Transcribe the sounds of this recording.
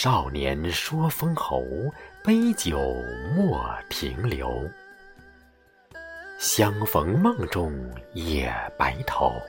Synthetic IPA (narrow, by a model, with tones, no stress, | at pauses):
ʂɑ˥˩ʊnjɛ̰˧˥nʂwɔ˥fɤ˥ŋxo˧˥ʊpe˥ɪt͡ɕjo˨˩ʊmwɔ˥˩t̪ʰḭ˧˥ŋljo̰˧˥ʊ | ɕjɑ˥ŋfɤ˧˥ŋmɤ˥˧ŋʈ͡ʂʊ˥˩ŋjɛ̰˨˩pa̰˧˥ɪt̪ʰo˨˧˩ʊ